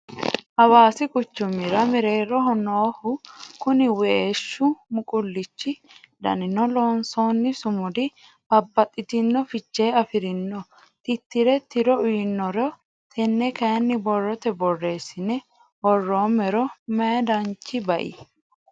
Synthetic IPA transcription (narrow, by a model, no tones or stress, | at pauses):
ʔɐwaːsɪkʼʊt͡ʃːʊmːɪɾɐmɪɾe̞ːrːɔɦɔnːɔːhʊkʊnɪwɛeːʃːʊmʊkʼʊlːɪt͡ʃːɪ | d̪ɐ̰nɪnɔloːnso̞ːnːɪsʊmʊd̪ɪ | bɐbːɐt̪ʼːɪt̪ɪnːɔfɪt͡ʃːe̞ːɐfɪɾɪnːɔ | t̪ɪt̪ːɪɾɛt̪ɪɾɔʊjɪnːɔɾɔ | t̪ʰɛnːɛkɐjɐnːɪbɔrːɔt̪ɛbɔrːe̞ːsɪnɛ | hɔrːoːmɛɾɔmɛd̪ɐnt͡ʃːɪbɐʔḭ